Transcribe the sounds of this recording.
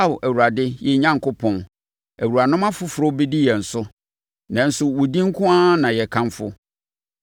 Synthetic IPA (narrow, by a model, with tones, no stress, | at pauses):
a˦wʔæ˨wu˨ɾa˨dɪ˦jɛ˨˦ɲã˦ŋ˨kʊ˦pʰɔ̃˨n | æ˨wu˨ɾa˨nʊ̃˦mã˦fʊ˦fʊ˨ɾʊ˦bi˦di˦jɛ˨n̩˨sʊ˦ | nã˨n̩˦sʊ˦wʊ˨dĩ˦ŋ˦kʰʊ̃˦a˦nã˨jɛ˨kʰã˦mfʊ˦